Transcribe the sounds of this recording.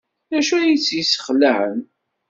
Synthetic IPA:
næʃujit͡sːjisə̥χlːəhən

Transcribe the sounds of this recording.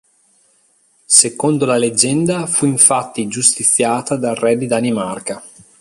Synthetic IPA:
sekond̪olaled͡ʒɛnd̪afuiɱfat̪ːid͡ʒust̪it̪sjaːt̪ad̪arɛd̪id̪animarka

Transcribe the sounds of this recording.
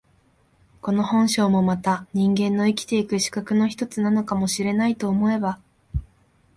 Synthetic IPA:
ko̞no̞hõ̞ɰ̃ɕo̞ːmo̞mat̪aɲ̟ĩŋɡẽ̞nːo̞ikʲi̥t̪e̞ikɯ̟ɕi̥kakɯ̟no̞çi̥t̪o̞t͡sɨnano̞kamo̞ɕiɾe̞nait̪o̞ːmo̞e̞ba

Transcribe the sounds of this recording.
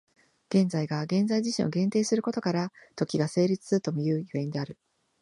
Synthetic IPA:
ɡ̥ẽ̞nd͡zaiɡaɡẽ̞nd͡zaiʑiɕḭ̃ɰ̃ʔo̞ɡẽ̞nt̪e̞ːsɨɾɯ̟ko̞t̪o̞kaɾat̪o̞kʲiɡase̞ːɾʲit͡sɨ̥sɨɯt̪o̞mojɯ̟ːjɯ̟ẽ̞nd̪e̞aɾɯ̟

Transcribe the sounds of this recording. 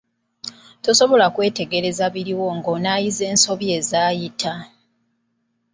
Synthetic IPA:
to̞so̞βo̞lakwe̞ːte̞ɡe̞ɾe̞zaβiɾiwo̞ŋɡoːnaːjize̞ːnso̞βje̞ːzaːjitʰa

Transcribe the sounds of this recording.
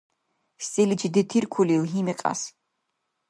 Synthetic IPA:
st̪ʼilid͡ʒid̪ɛt̪ʰiɾkʰulilɦimɛqʼa̰s

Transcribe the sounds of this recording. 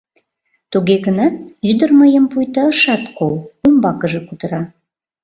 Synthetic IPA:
t̪uɣeɣənɑt̪̚yd̪ərməjəmpujt̪ɑəʃɑt̪kolumbɑkəʒĕkud̪əɾɑ

